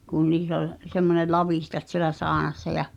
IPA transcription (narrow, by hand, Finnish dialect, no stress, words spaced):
kun niːs ol semːone lɑʋiˑhtɑt sielæ sɑːnɑsːɑ jɑ